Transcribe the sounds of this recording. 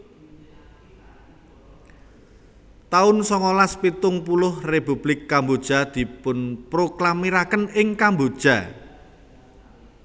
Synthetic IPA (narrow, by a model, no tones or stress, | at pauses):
t̪aʊnsɔŋɔlaspit̪ʊŋpulʊhrepub̥lɪkːambod̥ʒ̥a̤d̪̥i̤pʊnpɾoklamiɾakənɪŋkambod̥ʒ̥a̤